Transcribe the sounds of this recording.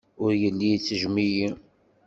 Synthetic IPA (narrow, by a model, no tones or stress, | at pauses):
ʊɾjəlːijt͡sːəʒmiji